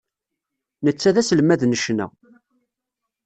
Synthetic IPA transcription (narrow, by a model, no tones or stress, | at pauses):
nət͡sːæðæsəlmæðnəʃnæ̰